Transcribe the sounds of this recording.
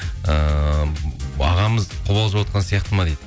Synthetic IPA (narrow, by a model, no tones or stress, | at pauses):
ə | ɑ̰ʁɑməzqʰʊbɑlˠəʒwot̪̚qɑnsijɑqt̪əmɑd̪ejd̪ɪ